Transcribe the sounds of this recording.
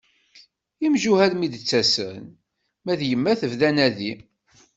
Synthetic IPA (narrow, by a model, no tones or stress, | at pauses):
imʒuhælmid̪t͡sːæsən | mæðjəmːæθəvðænæði